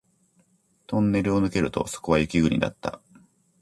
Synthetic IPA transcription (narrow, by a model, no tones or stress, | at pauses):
t̪õ̞nːe̞ɾɯo̞nɯ̟ke̞ɾɯ̟t̪o̞̰so̥ko̞βajɯ̟kʲiɡɯ̟ɲ̟ḭd̪a̰t̪ːa̰